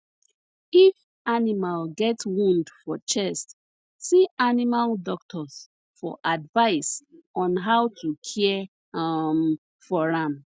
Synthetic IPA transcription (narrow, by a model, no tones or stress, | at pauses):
if | animalɡɛtwũndfɔt͡ʃɛst | siʔanimaldɔk̚tʰɔs | fɔ̰ʔadvaɪsʔɔ̃nɦawtʰukʰiɛ | m | fɔɹãm